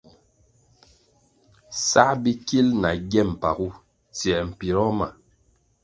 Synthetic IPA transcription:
sa˦bi˦ki˦lna˨ɡɛ˦˨m̩˨pa˨ɣu˦ | t͡si˨ɛ˨m̩˨pi˨ɾɔ˦ma̰˨

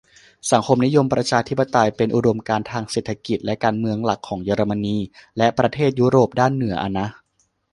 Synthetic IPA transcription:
sa˩˦ŋkʰo˧mni˦˥jo˧mpɾa˧t͡ɕʰaː˧t̪ʰi˦˥pːa˧t̪a˧jpe˧nʔu˧do˧mkaː˧nt̪ʰaː˧ŋseː˨˩t̪ʰːa˧ki˨˩t̪̚lɛ˦˥kaː˧nmɯ˧əŋla˨˩kʰːɔː˩˦ŋjɤː˧ɾa˧ma˧niː˧lɛ˦˥ʔpɾa˧t̪ʰeː˥˩t̪̚ju˦˥ɾoː˨˩p̚daː˥˩nːɯ˩˦ɐʔa˧na˦˥

